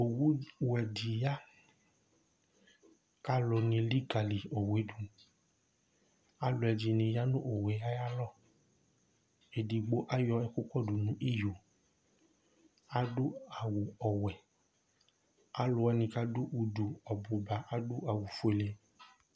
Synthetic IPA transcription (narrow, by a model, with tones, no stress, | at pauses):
o˨wu˦wɛ˨di˨ja˦ | ka˦lɔ˧nĩ˧li˦ɡa˨li˨o˨we˨˦du˨ | a˦lo˨ɛ˨d͡ʒi˨nĩ˧ja˦nũ˦ʔo˨wɛ˨ja˦ja˦lɔ˦˨ | e˨di˨ɡ͡bo˦ʔa˦jɔ˧ɛ˧˨ku˦kɔ˦du˨nũ˨˦ʔi˦jo˨ | a˦du˦a˨wu˨ɔ˨wɛ˨ | a˦lo˨˦ɛ˧nĩ˧ka˦du˦ʔu˧du˨ɔ˨bo˨ba˨ʔa˦du˦a˨wu˨fu˦e˨le˧